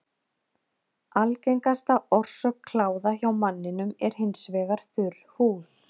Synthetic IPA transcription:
alcejŋkast̪aɔr̥sœkʰːlaːwðaçawmanːɪnʏmɛɾ̥hɪnsvɛːɣaɾ̥θʏlhuːl̥

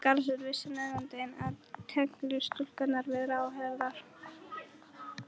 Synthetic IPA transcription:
kaɾs̬ʏɾvɪsːanɛɣant̪ejnaðt̪ʰɛk̪lʏst̪ʏl̥kat̪naɾvɪðɾawɦɛðɾaɾ̥

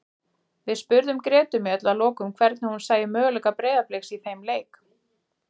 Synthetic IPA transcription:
vɪðspʏɾðʏmkɾɛːt̪ʏmjœt̪lalɔːkʏmkʰvɛɾt̪nɪhunsaːjɪmœːɣʏlɛkapɾɛːðaplejxsiθejmleːjk

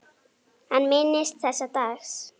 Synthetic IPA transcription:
anmenest͡sasat̪as

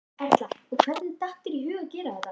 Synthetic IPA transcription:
ɛɾ̥t̪laɔkʰv̥ɛɾt̪nɪt̪aht̪ɪɾiɦʏːɣacɛːɾaɛt̪ːa

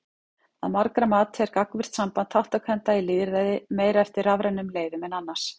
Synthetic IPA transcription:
aðmaɾkɾamaːt̪ɛɾkakvɪr̥t̪sampant̪hawht̪akʰvɛnt̪ailɪːðɪɾðɛðɪmeːjɾaɛft̪ɪɾavɾɛnːʏmleːjðʏmɛnanːas

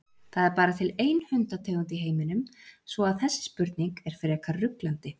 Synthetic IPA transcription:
θaðɛɾpaːɾat̪ʰɪleːjnhʏnt̪at̪ʰœːɣʏnt̪̬ɪɦeːjmɪnʏmsvɔaðθɛsːɪ̥spʏɾt̪niŋkɛɾ̥fɪɾɪɛkʰarʏklant̪ɪ

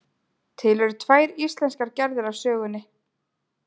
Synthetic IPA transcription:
t̪ʰɪlɛɾʏt̪ʰvaːjɾist̪lɛnskaɾcɛɾðʏɾḁsœːɣʏnːɪ

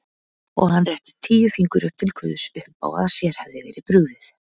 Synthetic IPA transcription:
ɔɣhanːrɛht̪ɪ̥t̪ʰiːjʏfiŋkʏɾʏp̚t̪ʰɪlkʰvʏ̰ːðʏsʏhpa̰wa̰ðsjɛɾ̥havðɪvɛ̰ːɾɪpɾʏɣðɪθ

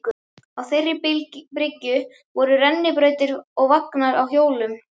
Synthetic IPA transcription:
awθejrːɪppɾɪcːʏ | vɔɾʏrɛnːɪpɾœːɥt̪ɪɾɔɣvaknaɾawçjoːwlʏm

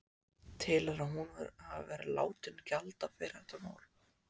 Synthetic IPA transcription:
t̪ʰɪlɛɾaɦunvɛ̰ɾhavvɛɾɪla̰ːwt̪ʏncalt̪afɪɾθɛht̪amaːwl

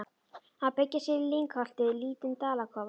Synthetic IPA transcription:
haðpɛcːɪsjɛɾɪliŋkhal̥t̪ɪliːt̪ɪnt̪aːlakʰɔva

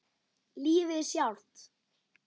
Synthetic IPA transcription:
liːvɪsjawl̥t̪

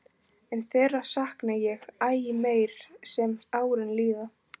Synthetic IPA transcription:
ɛnθɛːrːḁsahknajɛɣaːjɪmeːjɾ̥sɛmaːwɾɪnliːða

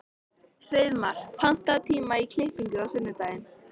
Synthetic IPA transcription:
r̥ɪðmaɾ̥pʰan̥t̪at̪ʰiːmaikʰlehpiɲcʏðasʏnːʏt̪aːjɪn

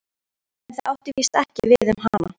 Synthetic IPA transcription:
ɛnθaðawht̪ɪviːst̪ɛhcɪvɪðʏmɦana̰

